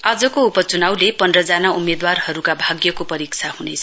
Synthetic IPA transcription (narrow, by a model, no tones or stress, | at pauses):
ad͡zʌkoupʌt͡sunawlepʌndrʌd͡zanaumed̪warhʌɾukabʱaɡjʌkopʌɾik̚t͡sʰahunet͡sʰʌ